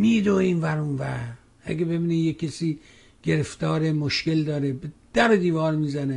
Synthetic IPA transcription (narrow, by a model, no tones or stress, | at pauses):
miːd̪oːiːnvæɾunvæɾ | æ̰ɡʲebe̞biːnijekʲʰːesiː | ɡ̥eɾeft̪ɒːɾemoʃkeld̪ɒːɾebed̪̥æɾod̪iːvɒːɾmiːzæne